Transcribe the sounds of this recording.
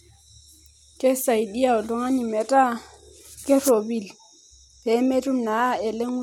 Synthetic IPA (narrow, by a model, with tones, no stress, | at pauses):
kʼe˦sa˨i˨di˦a˨ʊ˨lʊ˦ŋa˦ni˨mɛ˨tʼa˦ | kʼɪ˦ro˨bi˨l | bɛ˨˦me˦tʼu˦m̩˨na˨˦ɛ˨le˦ŋu˦